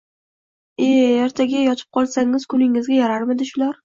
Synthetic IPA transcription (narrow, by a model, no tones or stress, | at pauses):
eaɾt̪ʰaɡʲajɒt̪ʰɪ̥p̚qʰɒlˠsaŋʲːɪz̥kʰʊnɪŋɪzɡʲajaɾaɾmɪd̪ɪʃʊlaɾ